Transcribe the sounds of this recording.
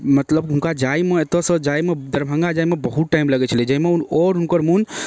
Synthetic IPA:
mət̪ləbɦũnkad͡ʒaimeet̪əsəd͡ʒajmed̪əɾbʱə̃ŋɡad͡ʒaimebəɦut̪ʈaimləɡɛt͡ʃʰəlid͡ʒəimeunɔɾɦunkəɾmun

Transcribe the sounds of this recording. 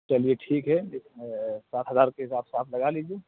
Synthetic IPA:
t͡ʃɐlijeʈʰiːkɦɛ | saːt̪ʰɦəzaːɾkeɦɪsaːbsaːfʰlɐɡaliːd͡ʒie

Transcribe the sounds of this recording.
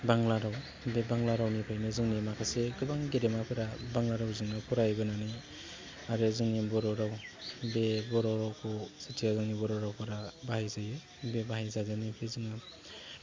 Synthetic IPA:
baŋlaɾaw | bebaŋlaɾawnipʰajnɯzɯŋnimakʰaseɡɯbaŋɡeɾemapʰɯɾabaŋlaɾawzɯŋnɯpʰuɾajɡɯnanɯj | aɾɯzɯŋnibɔɾɔɾawbebɔɾɔɾawkʰɔsitʰiazɯŋnibɔɾɔɾawpʰɯɾabahajzajɯ | bebaɦajzazanipʰezɯŋnɯ

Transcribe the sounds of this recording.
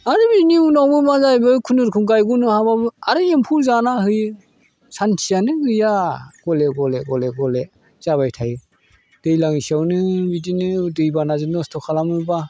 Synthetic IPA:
aɾɯbiniunawbɯmazajbɯkʰunɯɾkʰuŋɡajɡunɯhaβabɯaɾɯempʰuɾzanahɯj | santʰijanɯɡɯjaɡ̥ɔleɡɔleɡɔleɡɔle | z̥aβajtʰaj | d̥ɯjlaŋisiawnɯbidinɯdɯjbanazɯnɔstʰɔkʰalamɯba

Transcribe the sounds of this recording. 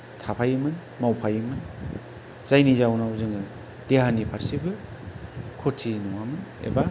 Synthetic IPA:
tʰapʰajmɯn | mawpʰajmɯn | z̥ajnizawnawzɯŋɯ | d̥eɦanipʰaɾsibɯ | kʰotʰinuwamɯnḛba

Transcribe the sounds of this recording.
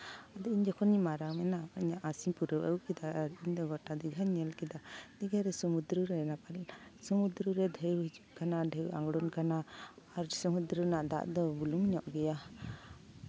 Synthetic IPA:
ad̪ɔiɲd͡ʒɔkʰɔnimaɾamɛnaiɲaʔasiɲpuɾəwə̰wkid̪aɾiɲd̪ɔɡɔʈad̪iɡʱaɲɛlkid̪ad̪̥iɡaɾɛsɔmud̪ɾuɾɛnapalsɔmud̪ɾuɾɛd̪ʱəjɦid͡ʒup̚kanaɖʱəwa̰ŋɡɽɔnkanaːɾsɔmud̪ɾənaʔd̪a̰ʔd̪ɔbulumiɲɔʔɡɛja

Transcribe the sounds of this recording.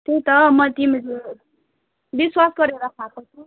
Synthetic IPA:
t̪ejt̪ʌmʌt̪imid͡zu | biswasɡʌɾeɾakʰakot͡sʰu

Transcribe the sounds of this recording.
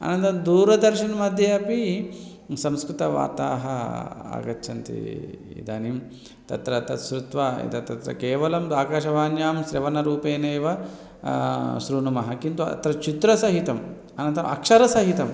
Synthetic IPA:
ɐ̰nɐnt̪ɐmd̪uːɾɐd̪ɐɾʃɐnɐmɐd̪ʱjɐɐpi | sɐ̃mskɾut̪ɐʋa̰ːt̪aːɦɐa̰ːɡɐt̪ːʃʰɐnt̪ḭḭd̪ɐnim | t̪ɐt̪ɾɐt̪ɐt̪ʃɾut̪ʋaḭd̪ɐt̪ɐt̪ɾɐ̰keːʋɐlɐmd̪aːkaːʃɐʋaːnjaːmʃɾɐʋɐnɐɾuːpeːneːʋɐ | ʃɾuːnɐmɐɦɐkint̪uɐ̰t̪ɾɐt͡ʃit̪ɾɐsɐɦit̪ɐm | ɐnɐnt̪ɐmɐ̰kʂɐɾɐsɐɦit̪ɐm

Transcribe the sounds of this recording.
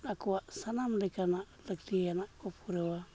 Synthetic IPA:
nakuwaʔsanamlikana | lək̚tianakopuɾewa

